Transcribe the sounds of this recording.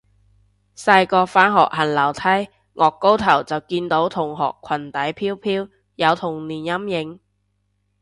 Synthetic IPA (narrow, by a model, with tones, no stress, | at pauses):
sɐ˧jkɔː˧faː˥nɦɔ̰ː˨k̚hɐ˨˩nlɐ˨˩wt̪ʰɐ˥j | ŋʔɔː˨kːo˥wt̪ʰɐ˨˩wt͡sɐ˨wkiː˧nt̪o˨˥wt̪ʰʊ˨˩ŋɦɔ̰ː˨kʰːɐ˨˩nt̪ɐ˨˥jpʰiː˥wpʰiː˥w | jɐ˨˧wt̪ʰʊ˨˩ŋniː˨˩njɐ˥mjɪ˨˧˥ŋ